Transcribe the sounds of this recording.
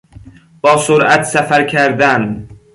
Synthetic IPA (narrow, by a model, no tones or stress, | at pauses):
b̥ɒːsoɾat̪safaɾkʲʰaɾd̪an